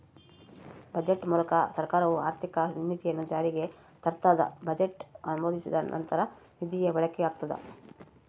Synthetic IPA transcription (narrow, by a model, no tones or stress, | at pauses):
bɐd͡ʒeʈmuːlɐkɐsɐɾkaːɾɐʋuaːɾt̪ʰikɐnimːit̪ijɐnːud͡ʒaːɾiɡe̞ | t̪ɐɾt̪aːd̪ɐ̰bɐd͡ʒeʈɐnumoːd̪isid̪ɐ̰nʔɐ̰nt̪ɐɾɐnid̪ijebɛɭɐkɛaːɡ̚t̪ɐd̪ɐ̰